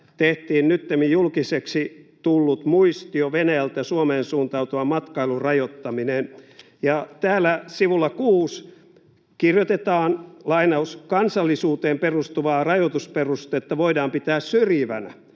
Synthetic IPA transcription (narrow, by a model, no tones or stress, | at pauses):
t̪eht̪iːnnyt̪ːemijjulkiseksit̪ulːut̪muist̪ioʋenæjælt̪jɑsuomeːnsuːnt̪ɑut̪uʋɑmɑt̪kɑilurɑjot̪ːɑminen | jɑt̪æːlːˑæsiʋulːɑkuːs | kirjot̪et̪ɑːnlɑinɑuskɑnsɑlːisuːt̪eːmperust̪uʋɑːrɑjot̪usperust̪et̪ːæʋoidɑːmpit̪æːssyrjiʋænæ